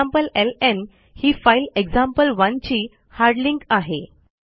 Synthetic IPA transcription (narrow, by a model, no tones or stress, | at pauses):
ampəlelen | hiːfaileɡd͡zãmpəlʋãnt͡ɕiː | haɾɖliŋkaɦe